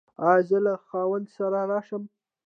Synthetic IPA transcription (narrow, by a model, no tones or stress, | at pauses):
ɑzəlaxɑwand̪saɾaɾɑʃəm